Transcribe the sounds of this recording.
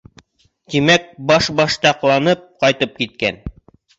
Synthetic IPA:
t̪imæk̚bɑʃbɑʃt̪ɑqlˠɑnɤp̚qɑjt̪ɤp̚kit̪̚kæ̰n

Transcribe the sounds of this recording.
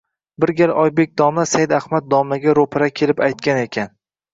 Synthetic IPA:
bɪɾɡʲaɾʔɒjbe̞k̚ʲd̪ɒmasajɪd̪ahmat̪̚d̪ɒmaɡʲaɾopʰɾakʲʰelɪpajt̪̚kʲane̞kʲʰan

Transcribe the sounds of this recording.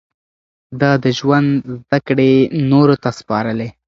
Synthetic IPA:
d̪ɑd̪əʒwand̪zd̪akɽenoɾot̪aspɑɾəle

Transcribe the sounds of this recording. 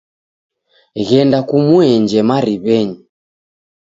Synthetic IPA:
ɣɛndakumuɛɲd͡ʒɛmaɾiβɛɲi

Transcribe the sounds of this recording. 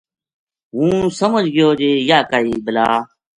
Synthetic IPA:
ɦũːsəməd͡ʒʱɡɪjoːd͡ʒeːjaːkaːiːbɪlaː

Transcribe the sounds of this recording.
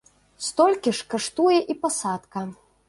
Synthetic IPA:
st̪ɔlʲkʲiʂkaʂt̪ujɛʔipasat̪kɐ

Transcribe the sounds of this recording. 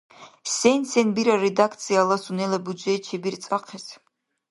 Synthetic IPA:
sɛnsɛnbiɾaɾɛd̪akʰt̪sʰijalˠasunɛlabud͡ʒɛt͡ʃʰɛbiɾt̪sʼaqʰɛs

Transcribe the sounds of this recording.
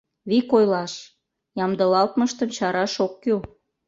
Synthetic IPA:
βikojlɑʃ | jɑmd̪əlɑlt̪məʃt̪əmt͡ɕɑɾɑʃokːy

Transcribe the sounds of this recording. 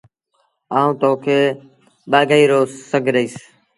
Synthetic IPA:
aːũːt̪oːkʰeː | ɓaːɡaːiːɾoːsəɡʱɾəiːs

